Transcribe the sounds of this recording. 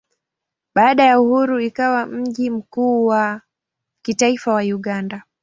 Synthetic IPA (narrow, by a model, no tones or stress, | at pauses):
ɓaːɗajauhuɾuikawam̩ʄim̩kuːwa | kitaifawajuɠanda